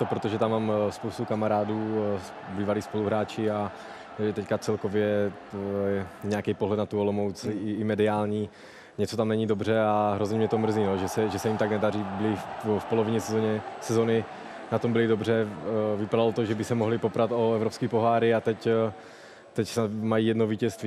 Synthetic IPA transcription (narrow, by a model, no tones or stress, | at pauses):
t̪opɾot̪oʒɛt̪amːaːmspowst̪ukamaɾaːduː | biːvaliːxspo̞luɦɾaːt͡ʃɪa | ʒɛt̪ɛckat͡sɛlkovjɛ | ɲɛakɛjpoɦlɛd̪nat̪uolomowt͡sːmɛdɪaːlɲiː | ɲɛt͡sot̪amnɛɲidobr̝ɛaɦɾozɲɛmɲɛt̪o̞mr̩ziːnoʒɛsɛʒɛsɛjimt̪aɡnɛdariːbɪlɪfpo̞lovɪɲɛsɛzoɲɛsɛzonɪ | nat̪ombɪlɪdo̞br̝ɛvɪpadalot̪oʒɛbɪsɛmoɦlɪpo̞pɾat̪oɛvɾopskiːpo̞ɦaːɾɪat̪ɛc | t̪ɛcsamajiːjɛdnoviːcɛst̪viː